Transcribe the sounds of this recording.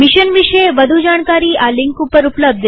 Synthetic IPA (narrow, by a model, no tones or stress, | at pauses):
miʃənʋiʃəeʋəd̪ʱud͡ʒaɳkaɾiːaliŋkupəɾupləb̚d̪ʱ